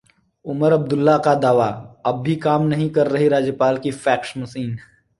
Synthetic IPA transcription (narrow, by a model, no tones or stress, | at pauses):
ʊməɾɐb̚d̪ʊlːakad̪aːʋaɐb̚ːʱikaːmnɐɦĩkɐɾːɐɦiɾaːd͡ʒjəpaːlkifʰɛːkʃmɐsiːn